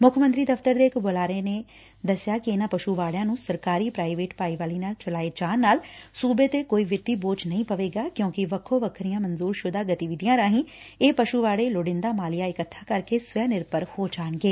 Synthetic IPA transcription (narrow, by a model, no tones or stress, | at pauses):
mʊkʰmənt̪ɾiːd̪əft̪əɾd̪eːɪkboːlaːɾeːneː | d̪əsjaːkɪɪnãːpəʃuːʋaːɽjãːnũːsəɾkaːɾiːpɾaːɪʋeːʈpaːiːʋaːliːnaːlt͡ʃəlaːeːd͡ʒaːnːaːlsuːbeːt̪eːkoːiːʋɪt̪ːiːboːt͡ʃnəɦĩːpəʋeːɡaːkjõːkɪʋəkʰːoːʋəkʰɾijãːmənzuːɾʃʊd̪aːɡət̪iːʋɪd̪ijãːɾaːɦĩː | eːpəʃuːʋaːɽeːloɖɪ̃nd̪aːmaːlɪjaːɪkət̪ʰːaːkəɾkeːsʋɛːnɪɾpəɾhoːt͡ʃaːɳɡeː